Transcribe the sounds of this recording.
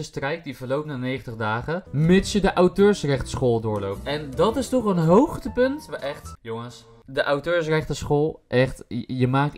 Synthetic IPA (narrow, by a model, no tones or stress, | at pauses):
əstrɛjk̚divəɹlowpəndənejχəntəχdaːχəmɪtsjədəʔawtøːɹsrɛχtə̥sχoːlˠdʊːɹlowp̚tɛndɑtɪstɔχənɦowχtəpɵntʋaʔɛχtjʊŋəs | dəʔawtøːɹsrɛχtəsχoːlˠʔɛχtjəmaːk̚